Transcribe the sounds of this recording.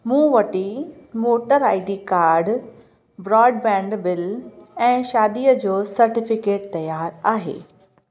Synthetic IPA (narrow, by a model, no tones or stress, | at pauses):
mũːʋɐʈimoːʈəɾaːɪɖikaːɾɖ | bɾɔːɖbɛ̃ːɳɖbɪlɛ̃ːʃaːd̪iːjəd͡ʑoːsɐɾʈɪfɪkeːʈ̚t̪ɐjaːɾaːɦḛː